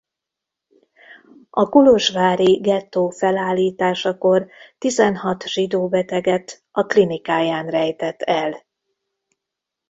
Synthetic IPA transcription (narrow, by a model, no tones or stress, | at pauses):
ɒkuloʒvaːɾiɡɛt̪ːoːfɛlaːlːiːt̪aːʃɒko̞rt̪izɛnhɒt̪ʒ̥id̪oːbɛt̪ɛɡɛt̪ | ɒklinikaːjaːnrɛjt̪ɛt̪ːɛl